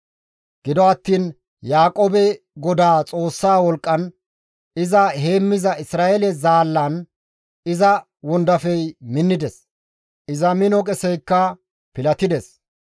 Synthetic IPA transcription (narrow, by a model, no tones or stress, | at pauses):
ɡ̥ɪd̪ɔɐt̪ːiːn | jaːkʼoːbɛ | ɡɔd̪aːt͡sʼo̞ːsːaːwɔlkʼːɐn | ɪzɐɦe̞ːmːɪzɐʔɪsɾaːʔelɛzaːlːɐn | ɪzɐ | wɔnd̪ɐfɛjmɪnːɪd̪ɛs | ɪzɐmɪnɔkʼɛsɛjkːɐ | pɪlɐt̪ɪd̪ɛs